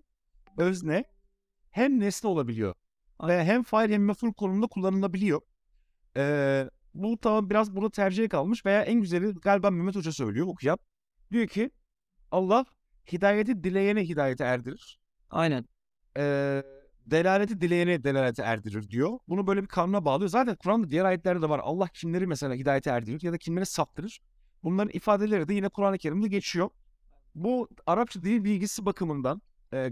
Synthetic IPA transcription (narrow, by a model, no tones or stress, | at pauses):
øznɛ | hæmnɛslʲio̞lˠabilʲijo̰ | ejaːɦæmfajɾhæmːefuɾkʰonumnd̪akʰulˠːanɯlˠabilʲijo̞ | ɛː | but̪ʰamambiɾazbuɾd̪at̪ʰæɾd͡ʒijɛkʰalˠmɯʃve̞jaːʔænɟyzelʲiɡalʲbammymːɛt̪od͡ʒasø̞̰jlʲijookʰujam | d̪̥ijo̞cʰi | alˠːah | hid̪aːjet̪ʰid̪ilʲe̞jenɛɦid̪aːje̞t̪ʰiæɾd̪iɾiɾ̥ | a̰jnæn | ɛː | d̪e̞lʲaːlʲet̪ʰid̪ilʲejenɛd̪e̞lʲaːlʲet̪ʰiæ̰ɾd̪iɾiɾd̪ijobunubø̞jlʲebikʰaːnunabaːlˠɯjozaːt̪ʰænkʰuɾand̪ad̪ijæɾaːjɛt̪lʲæɾɛd̪ɛvaɾa̰lˠːahcʰimlʲe̞ɾimɛse̞lʲaːɦid̪aːjet̪ʰiæɾd̪iɾiɾjad̪acʰimlʲe̞ɾisapt̪ʰːɯɾɯɾ̥ | bunlˠaɾɯnʔifaːd̪e̞lʲe̞ɾid̪ɛjinɛkʰuɾanˠɯcʰe̞ɾimd̪ɛɟe̞t͡ʃʰijo̞ | buaɾap̚t͡ʃʰad̪ininbilʲɟisibakʰɯmɯnd̪an | ɛː